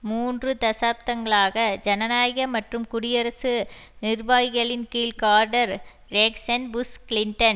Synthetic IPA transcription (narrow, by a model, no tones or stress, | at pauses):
muːndrɯt̪ɐsaːp̚t̪ɐŋɡɐɭaːɣɐd͡ʒɐnɐnaːjɣɐmɐʈrɯmkʊɽɪjɐɾɐsɯnɪrʋaːjɣɐɭɪnkiːlkaːɾɖɐɾ | ɾeːksɐnbʊskɪlɪɳʈɐn